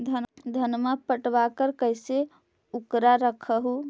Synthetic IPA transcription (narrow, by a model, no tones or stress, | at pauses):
d̪ʱəd̪ʱənməpəʈbakəɾkəjse | ukɾaɾəkʰəɦu